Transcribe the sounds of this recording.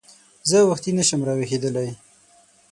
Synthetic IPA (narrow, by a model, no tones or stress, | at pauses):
zəwaxt̪inəʃəmɾɑwexed̪əlaj